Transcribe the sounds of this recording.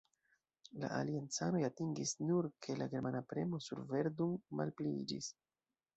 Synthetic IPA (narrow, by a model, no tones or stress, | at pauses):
la̰ʔalient͡sano̞jatiŋɡisnuɾkʰe̞laɡe̞ɾmanapɾe̞̰mo̞sṵɾve̞ɾduŋma̰lpliḭd͡ʒḭs